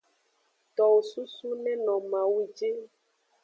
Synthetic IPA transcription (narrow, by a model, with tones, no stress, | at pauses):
t̪ɔ˨wo˨su˦su˦nɛ̃˦nɔ̃˨mã˨wu˦d͡ʒe˦